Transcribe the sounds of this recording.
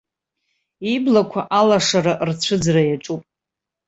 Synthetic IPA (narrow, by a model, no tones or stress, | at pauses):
iblakʷʰaʔalaʂaɾaʔrt͡ɕʷʰɨd͡zrajaʈ͡ʂʼupʼ